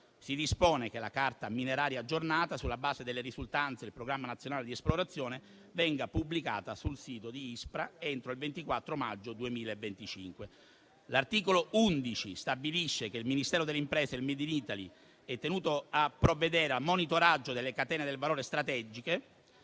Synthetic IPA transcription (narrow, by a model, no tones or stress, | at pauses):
sid̪ispoːnekelːa̰kart̪amineɾaːɾjaːd͡ʒːornaːt̪asulːabaːzed̪elːeɾizult̪ant̪seilpɾoɡɾamːanat̪sːjonaːled̪iesploɾat̪sːjɔːne | vɛŋɡapublika̰ːt̪asulsiːt̪od̪iispɾaent̪ɾoilvent̪ikwat̪ːɾomad͡ʒːod̪uemiːlaevːent̪it͡ʃḭŋkwe | lart̪iːkolound̪it͡ʃist̪abiliʃːekeilminist̪ɛːɾod̪elːeimpɾɛːseilmed̪init̪alḭ | ɛt̪ːenuːt̪oapːɾovːed̪ɛːɾealmonit̪oɾad͡ʒːod̪elːekat̪ɛːned̪elevaloːɾest̪ɾat̪ɛd͡ʒike